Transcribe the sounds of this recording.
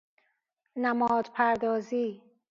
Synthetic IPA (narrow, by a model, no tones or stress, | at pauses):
næmɒːd̪pʰæɾd̪ɒːziː